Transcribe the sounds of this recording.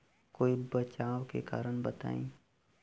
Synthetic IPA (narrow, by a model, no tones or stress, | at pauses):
koːibət͡ʃaːwkḛka̰ːɾəɳ̃bət̪a̰ːḭ̃ː